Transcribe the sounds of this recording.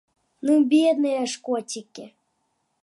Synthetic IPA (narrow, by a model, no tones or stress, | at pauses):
nubʲed̪neaʃkotʲikʲːe